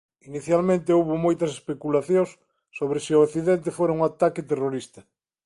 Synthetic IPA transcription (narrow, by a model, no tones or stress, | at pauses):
iniθjalmẽnt̪ɪowβomojt̪ɐse̥spekulaθjõŋsː | oβɾɪsɪoakθiðent̪ɪfoɾauŋat̪akɪt̪eroɾist̪ɐ